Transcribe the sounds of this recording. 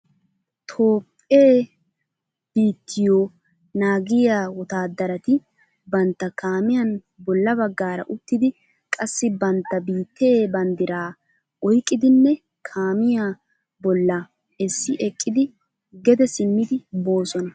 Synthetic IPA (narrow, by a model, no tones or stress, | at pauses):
t̪ʰo̞ːpʼeː | b̥iːt̪ʰːɪjoː | naːɡɪjaːwɔt̪aːd̪ɐɾɐt̪ɪ | bɐnt̪ːɐkʰaːmɪjɐn | bɔlːɐbɐɡːaːɾɐ̰ʔʊt̪ːɪd̪ɪ | kʼɐsːɪbɐnt̪ːɐbiːt̪ːeːbɐnd̪ɪɾaː | ɔjkʼːɪd̪ɪnːɛ | kʰaːmɪjaː | bɔlːɐ | ɛsːɪʔɛkʼːɪd̪ɪ | ɡɛd̪ɛsɪmːɪd̪ɪbo̞ːsɔnɐ